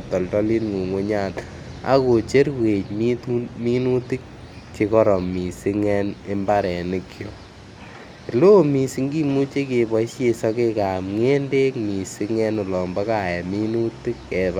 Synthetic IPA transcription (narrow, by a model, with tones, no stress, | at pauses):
tɔ˨ltɔ˦li˦nŋo˨ŋwo˦ɲa˦t | a̰˦ko˨t͡ʃe˦ɾwe˨ɲmi˦tumi˦nu˦ti˦k̚ | t͡ʃe˧kɔ˦ɾɔ˨mi˨sɪ˧ŋɛne˦mba˦ɾɛ˨nɪkʰjo˨ | lo˦mi˨si˧ŋɡi˦mu˦t͡ʃe˦ke˧bɔ˦ʃe˧sɔ˧ke˦ka˨mŋe˦nde˦kmi˨sɪ˧ŋɛ˦nʊ˨lɔ˨mba˦ka˦˨jɛ˨mi˦nu˦ti˦kːɛ˨t